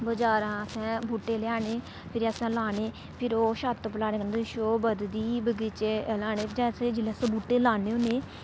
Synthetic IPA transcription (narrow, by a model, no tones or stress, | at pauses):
bəd͡ʒaːɾãːəsɛ̃ːbʱuːʈːeːlɪjaːneː | pʰɪɾəsãːlaːneː | pʰɪɾoːʃaːt̪ːpəlaːneːkənd̪ʃoːbəd̪d̪iːbəɡit͡ʃeːlaːneːd͡ʒɛ̃ːseːd͡ʒɪleːsəbuːʈːeːlaːneːoːneː